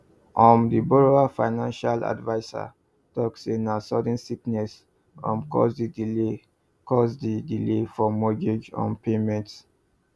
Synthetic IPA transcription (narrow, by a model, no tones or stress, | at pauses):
ʔɔ̃mdibɔɹoafaɪnãnʃala̰dvaɪsa̰ | tɔksĩnasɔd̃nsiknɛs | ɔ̃mkɔ̰sdidile | kɔsdidilefɔmɔɡed͡ʒɔ̰̃npemɛ̃nt